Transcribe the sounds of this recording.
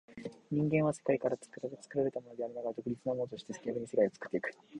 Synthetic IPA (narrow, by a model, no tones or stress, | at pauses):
ɲ̟ĩŋɡẽ̞βase̞̥kaikaɾat͡sɨ̥kɯɾat͡sɨ̥kɯ̟ɾaɾe̞t̪amo̞no̞d̪e̞aɾinaɡaɾad̪o̞kɯ̟ɾʲit͡sɨnamo̞not̪o̞ɕi̥t̪e̞se̥kʲiabɯ̟ɲise̞kaiot͡sɨ̥kɯ̥t̪ːe̞ikɯ̟̥